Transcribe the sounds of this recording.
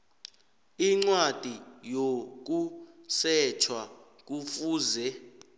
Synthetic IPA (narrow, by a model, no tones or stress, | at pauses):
iŋ͡ǀwad̥ʱijok̬usɛt͡ʃʰwa | k̬ufuːzɛ